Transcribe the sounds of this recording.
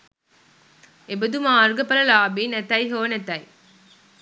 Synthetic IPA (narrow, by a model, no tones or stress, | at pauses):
ebɐd̪umaːɾɡɐpɐlɐlaːbinɐt̪ɐjɦoːnɐt̪ɐj